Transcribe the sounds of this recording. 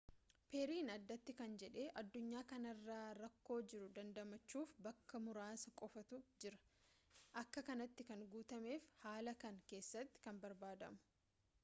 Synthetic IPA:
peːɾiːnɐd̪ːɐt̪ːɪkɐnd͡ʒɛᶑe̞ːʔɐd̪ːʊɲːaːkɐnɐrːaːɾɐkːo̞ːd͡ʒɪɾʊd̪ɐnd̪ɐmɐt͡ʃːuːfbɐkːɐmʊɾaːsɐkʼɔfɐt̪ʊd͡ʒɪɾɐ̥ʔɐkːɐkɐnɐt̪ːɪkɐŋɡuːt̪ɐme̞ːfhaːlɐkɐŋke̞ːsːɐt̪ːɪ̥kɐnbɐɾbaːd̪ɐ̰mʊ̥

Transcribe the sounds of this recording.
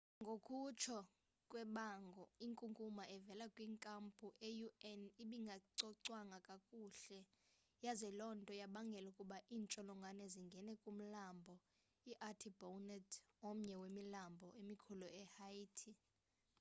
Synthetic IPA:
ŋɡʱokʰʼut͡ʃʰɔ | kʼwɛɓaŋɡʱɔiŋkʼuŋkʼumaʔɛvɛlakʼwiːŋkʼampʼuʔejuɛniɓiŋɡʱaǀɔǀwaŋakʼakʼuːɬɛ | jazɛlɔntʼɔjaɓaŋɡʱɛlukʼuɓaʔiːnt͡ʃʼɔlɔŋɡʱanɛziŋɡʱɛnɛkʼum̩lambʱɔ | iʔatʰibownɛtʰom̩ɲɛwemilambʱɔʔemikʰuluɛhaiːtʰi

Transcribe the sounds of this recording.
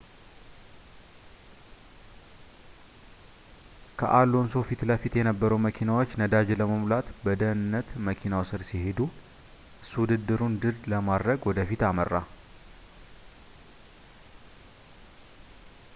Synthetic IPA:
kʰə̰ʔalːonso̞fit̪ləfit̪jɛnəbːəɾəwməkʰinawo̞t͡ʃːnəd̪ad͡ʒeləməmlat̪bəd̪ənɨnːət̪məkʰinawsɨɾsihe̞d̪u | swʊd̪ɨd̪ːɨɾund̪ɨɾləmad̪ɾəɡwɔd̪əfit̪amərːa

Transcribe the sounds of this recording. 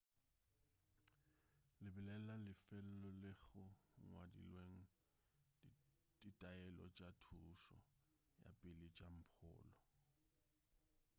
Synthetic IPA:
lɪbɪlɛlalɪfɛl̩lɔlɪɣʊŋwadḭlweŋ̩ | d̥itʼajɛlɔ̰t͡ʃʼatʰuʃɔ̰ | ja̰pʼɪlɪt͡ʃʼam̩pʰʊ̰ːlɔ

